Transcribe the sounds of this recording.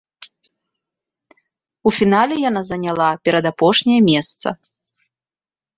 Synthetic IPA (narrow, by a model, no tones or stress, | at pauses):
ufʲinalʲɛjan̪azɐnʲalˠapʲɛɾɐd̪apɔʂnʲɛjɐmʲɛst̪sɐ̰